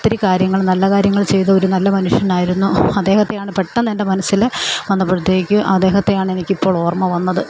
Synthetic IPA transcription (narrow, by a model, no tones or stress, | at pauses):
t̪ːiɾikaːɾjɐŋːɐɭnɐlːɐkaːɾjɐŋːɐɭt͡ɕe̞jt̪ɐoɾunɐlːɐmɐnuʂjɐnaːjiɾunːuɐd̪e̞ːhɐt̪ːejaːɳɨpeʈːɐnɐndemɐnɐsːilʋɐnːɐpːuɻut̪ːjeːikʲːɨʔɐd̪e̞ːhɐt̪ːejaːɳe̞nikʲːipːo̞ːɭo̞ːrmɐʋɐnːɐðɨ